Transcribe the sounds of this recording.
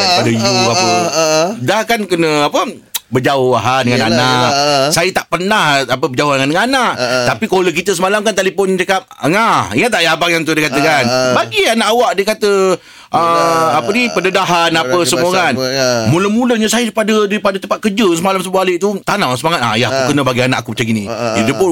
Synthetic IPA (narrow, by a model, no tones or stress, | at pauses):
daipadəjuapə | dahkankənəapə | bəd͡ʒaoaɦadəŋananaʔsajət̪aʔpənahapəbəd͡ʒaohdəŋandəŋananaʔt̪apikolək̬it̪əsəmalamkant̪alipʊnt͡ʃəkap̚əŋahiŋat̪ːajabaŋjaŋt̪̬udikat̪əkanbaɡianaʔawaʔdikat̪ə | ʔəapədipəndədaɦanapəsəmukanmuləmuləɲasajədipadədaipadət̪əmpat̪̚kəd͡ʒəs̬əmalamsəbualəʔt̪ut̪anawsəmaŋat̪̚a̰jaakukənəbaɡiana̰ʔakupət͡ʃaɡinĩit̪upʊ